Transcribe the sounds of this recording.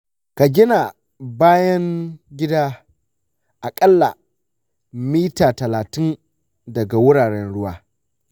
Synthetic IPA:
ka˨ɡʲɪ˦na˨ | baː˦jɐ˦ŋɡʲɪ˦daː˦ | ʔa˨kʼɐ˦lːa̰˨ | miː˦taː˨tɐ˨laː˨tɪ˦n | dɐ˨ɡa˨wʊ˦ɽaː˨ɽɛ˦nɽʊ˦waː˦

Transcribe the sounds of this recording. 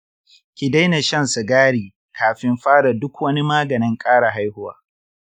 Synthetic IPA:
kʲɪ˨da˦jna˨ʃɐ˦˨nsʊ˨ɡaː˦ɽiː˨ | kʰaː˨ɸɪ˦mɸaː˦ɽa˨dʊ˦kwɐ˦ni˦maː˦ɡɐ˨nɪ˦ŋkʼaː˦ɽa˨ɦa˦jhʊ˦waː˦

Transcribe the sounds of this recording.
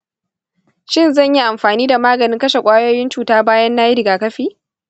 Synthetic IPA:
ʃɪ˦˨nzɐ˦˨ɲji˦ʔa˨mɸaː˨niː˦da˨maː˦ɡɐ˨nɪ˦ŋkɐ˦ʃe˨kʷʼaː˦joː˦jɪ˦nt͡ʃuː˨taː˦baː˦jɐ˦nːaː˦ji˦ɾɪ˨ɡaː˨kɐ˦ɸiː˦

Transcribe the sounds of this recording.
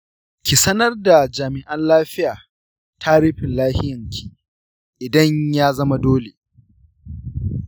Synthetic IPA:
kʲi˨sɐ˦nɐ˦rda˨d͡ʒaː˨mɪ˨ʔɐ˦nlaː˦ɸɪ˦jaː˨ | tʰa˦ɽɪ˦ɸɪ˨nlaː˦hɪ˦jɐ˨ŋkʲʰi˨ | ʔɪ˨dɐ˦ɲjaː˦zɐ˦ma˦doː˦le˨

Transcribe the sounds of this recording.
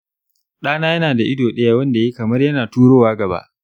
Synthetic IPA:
ɗaː˦naː˦jɐ˦naː˨da˨ʔɪ˦doː˨ɗɐ˦jaː˦wɐ˦nda˨je˦kɐ˨mɐ˦rjɐ˦naː˨tuː˦ɽoː˦waː˦ɡɐ˨ba̰˦ʔ

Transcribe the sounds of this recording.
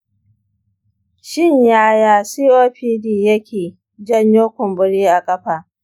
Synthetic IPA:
ʃɪ˦ɲjaː˦jaː˦siː˦ʔoː˦ɸiː˦diː˦jɐ˦kʲʰeː˨ | d͡ʒɐ˦˨ɲjoː˦kʷʊ˨mbʊ˦ɽiː˦ʔa˨kʼɐ˦ɸaː˨ʔ

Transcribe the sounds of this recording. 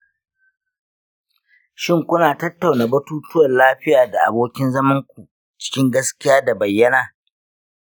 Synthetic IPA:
ʃɪ˦ŋkʷʊ˦naː˨tɐ˦tːa˨wnaː˨bɐ˦tuː˦tʊ˦wɐ˨nlaː˦ɸɪ˦jaː˨da˨ʔa̰˨boː˦kʲɪ˦nzɐ˦mɐ˦ŋkʷu˨ | t͡ʃɪ̥˦kʲɪ˦ŋɡɐ˦skʲɪ˦jaː˦da˨bɐ˨jːɐ˦naː˨

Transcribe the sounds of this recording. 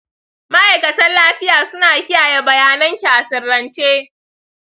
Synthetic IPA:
mɐ˦ʔa˨jkɐ˨tɐ˦nlaː˦ɸɪ˦jaː˨sʊ˦naː˨kʲɪ˦jaː˨je˦bɐ˨jaː˦nɐ˦ŋkʲi˨ʔa˨sɪ˨rːɐ˨nt͡ʃeː˦

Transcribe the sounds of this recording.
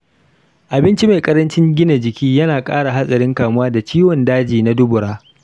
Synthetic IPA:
ʔa˨bɪ˦nt͡ʃi˦ma˨jkʼɐ˦ɾɐ˦nt͡ʃɪ˦ŋɡʲɪ˦na˨d͡ʒɪ˨kʲʰiː˦jɐ˦naː˨kʼa̰ː˦ɽa˨ɦa˦sʼɐ˨ɾɪ˦ŋkaː˨mʊ˦waː˦da˨t͡ʃiː˦wɔ˨ndaː˦d͡ʒiː˨na˦dʊ˦bʊ˨ɽaː˦

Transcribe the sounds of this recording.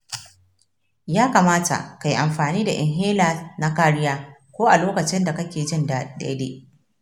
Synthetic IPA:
jaː˦ka˨maː˦ta̰˨ʔka˨ji˨ʔa˨mɸaː˨niː˦da̰˨ʔɛ̰˨ŋɦeː˦laː˨na˦kaː˦ɾɪ˦jaː˦kʷoː˦ʔa˨loː˦kɐ˨t͡ʃɪ˦nda˨kɐ˦kʲeː˨d͡ʒɪ˦nda˨ɗa̰˦deː˦ʔ

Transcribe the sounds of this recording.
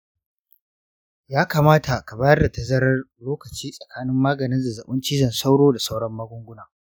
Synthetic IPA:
jaː˦ka˨maː˦ta˨ka˨baː˦jɐ˦rda˨ta˨zɐ˦ɾɐ˦rloː˦kɐ˨t͡ʃiː˦sʼɐ˨kaː˦nɪ˦mːaː˦ɡɐ˨nɪ˦nzda˨zɐ˨ɓʊ˦nt͡ʃiː˦zɐ˨nsa˦wɽoː˦da˨sa˦wɽɐ˦mːaː˦ɡʷʊ˦ŋɡʷʊ˦naː˨

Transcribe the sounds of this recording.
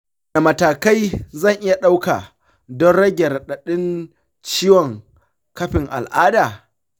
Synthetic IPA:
na˨mɐ˨taː˨ka˦jzɐ˦˨ŋʔɪ˦ja˨ɗa˦wka̰˨ | dɔ˦nɽɐ˦ɡʲɛ˨ɾɗɐ˨ɗɪ˦n | t͡ʃiː˦wɔ˨ŋ | kɐ˦ɸɪ˨ŋʔa̰˨lʔaː˦daː˨

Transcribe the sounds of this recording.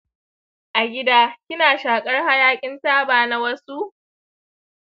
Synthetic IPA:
ʔa˨ɡʲɪ˦daː˦kʲɪ˦naː˨ʃaː˨kʼɐ˦rha˦jaː˦kʲʼɪ˦nsaː˦baː˨na˦wɐ˦su˦ʔ

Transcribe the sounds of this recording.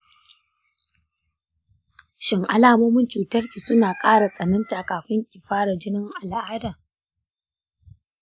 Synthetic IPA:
ʃɪ˨ŋʔa̰˦laː˨moː˦mɪ˦nt͡ʃuː˨tɐ˦rkʲiː˨sʊ˦naː˨kʼaː˦ɽa˨sʼɐ˨nɐ˦ntaː˨kaː˨ɸɪ˦ŋkʲʼɪ˨ɸaː˦ɽa˨d͡ʒɪ˦nɪ˦ŋʔa˨lʔaː˦daː˨

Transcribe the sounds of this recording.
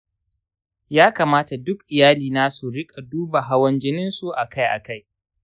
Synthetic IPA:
jaː˦kaː˨maː˦ta˨dʊ˦kʔɪ˨jaː˦liː˨naː˦su˨ɽɪ˦kʼa˨duː˦ba˨ɦa˦wɐ˦nd͡ʒɪ˦nɪ˦nsu˨ʔa˨kʰa˦jʔa̰˨ka˦j

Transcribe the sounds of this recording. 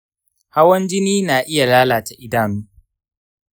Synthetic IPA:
ha˦wɐ˦nd͡ʒɪ˦niː˦naː˨ʔɪ˦ja˨laː˦laː˨ta˨ʔɪ˦daː˨nuː˦

